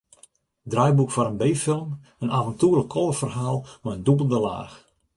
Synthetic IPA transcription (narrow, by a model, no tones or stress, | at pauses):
drœjbukfɔɾənbejfɪlˠm | ənavəntuːrləkʰːɔlˠəfərɦaːlˠmɔəndubəl̩ˠdəla̰ːx